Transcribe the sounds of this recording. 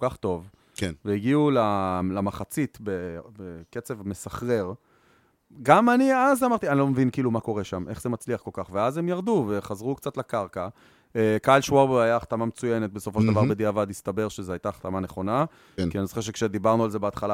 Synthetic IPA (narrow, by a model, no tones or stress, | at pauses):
okaχt̪o̞v | veiɡiulalamaχat͡sit̪bebeket͡sevme̞saχʁe̞ʁ | ɡamaniazamaʁt̪ianilo̞mevinkiːlumako̞ʁeʃamʔe̞χze̞mat͡sliaχko̞lkaχveaze̞mjaʁd̪uve̞χazʁukt͡sat̪lakaʁka | ekalʃwaʁboajaːχt̪amamet͡sujenet̪̚beso̞foʃeldavaʁbed̪iavad̪ist̪abe̞ʁʃezeajt̪aχt̪amaneχo̞na | kianizoχeʁʃekʃed̪ibaʁnualzebeat̪χala